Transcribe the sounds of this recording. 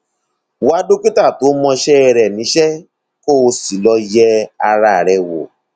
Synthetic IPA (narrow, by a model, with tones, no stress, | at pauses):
wa˨˦du˦ki˦ta˦˨to˨˦mɔ̃˧ʃɛ˦ɛ˧ɾɛ˨mĩ˨˦ʃɛ˦ | ko˦˨˧si˨lɔ˧jɛ˧a˧ɾa˨ɾɛ˨wo̰˨